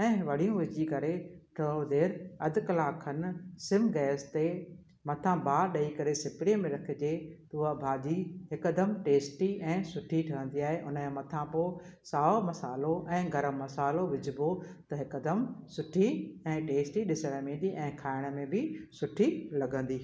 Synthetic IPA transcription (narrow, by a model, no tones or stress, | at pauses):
ɛ̃ːʋɐɽ̤ijũʋɪd͡ʑikɐɾeʈʰɐ̃õd̪eːɾɐd̪kɐlaːkʰənsɪ̃mɡɛːst̪e | mɐt̪ʰãbʱaːɗɐikɐɾesɪpɾiəmẽɾɐkʰɪ̆d͡ʑeːt̪uːabʱaːdiɦɪkəd̪əmʈeːsʈiɛ̃ːsʊʈʰiʈʰɐʋə̃nd̪iaːɦeʔʊnẽmɐt̪ʰãpoː | saːomɐsaːloʔɛ̃ːɡɐɾəːɐsaːloʋɪd͡ʑɪbot̪ɐɦɪkəd̪əmsʊʈʰiɛ̃ːʈeːsʈiɗɪsəɽ̃əmĩːnd̪iʔɛ̃ːkʰaːɪɽ̃mẽbɪsʊʈʰilɐɡə̃n̆d̪iː